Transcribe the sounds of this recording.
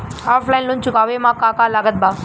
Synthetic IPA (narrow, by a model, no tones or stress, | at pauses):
ɔːflainlont͡ʃukaʋemãkakalaɡət̪̚ba